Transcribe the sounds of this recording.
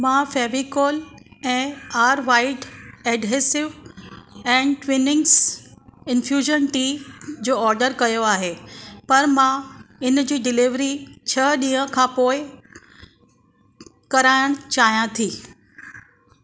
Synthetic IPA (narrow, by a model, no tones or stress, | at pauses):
mãːfɛːʋikoːlɛ̃ːaːɾʋaːɪʈɛːɖɦesɪʋ | ɛ̃ːɳʋɪnɪ̃ŋs | ɪnfʰjuːʒənʈiːd͡ʑoːɔːɾɖəɾkɐjoaːɦeːpɐɾmãɪnd͡ʑiːɖɪlɪʋɾit͡ɕʰɐɗĩːə̃kʰãːpoːɪ | kɐɾaːɪɽ̃t͡ɕaːɦijãt̪ʰiː